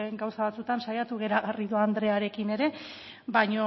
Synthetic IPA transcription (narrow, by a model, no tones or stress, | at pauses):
ŋɡawsaβat͡sut̪ansajat̪uɣ̞e̞ɾaɣariðuand̪ɾe̞aɾe̞kine̞ɾe̞ | bajɲo